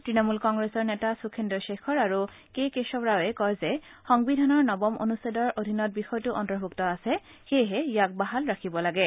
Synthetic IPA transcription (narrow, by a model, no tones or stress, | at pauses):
tɹinɔmulkɔŋɡɹesɔɹnɛtasukʰendɔjʃexʰɔɹaɹu | kejkesɔpɹawɛkɔjzɛxɔŋbidʱanɔɹnɔbɔmʔo̰nusedɔɹʔodʱinɔt̚bixɔjtʊʔɔntɔɹbʱuktɔasɛ | xejɦɛjak̚baɦalɹakʰibɔlaɡɛ